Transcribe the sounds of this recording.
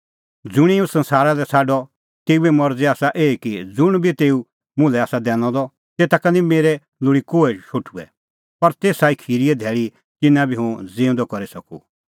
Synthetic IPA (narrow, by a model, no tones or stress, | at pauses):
d͡zʊɽ̃iũsɐ̃nsaːɾalɛsʰaːɖɔ | t̪eːuɛmɔɾd͡zɛaːsaʔeːikid͡zʊɽ̃bʱit̪eːu | mʊ̃lɛaːsad̪ɛ̃ːñɔ̃d̪ɔ | t̪eːt̪akanĩmeːɾɛ | lʊɽikoːɛʃʰoːʈʰuɛ̰ | pɐɾt̪eːsaːikʰiːɾiɛd̪ʱɛːɭi | t̪ɪnãbʱiɦũd͡zẽːʊ̃nd̪ɔkɐɾisɐkṵ